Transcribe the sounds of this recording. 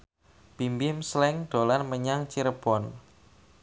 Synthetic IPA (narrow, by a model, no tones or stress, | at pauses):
b̥imbimslɛŋɖ̪̥olanməɲaŋt͡ʃiɾəb̥ɔn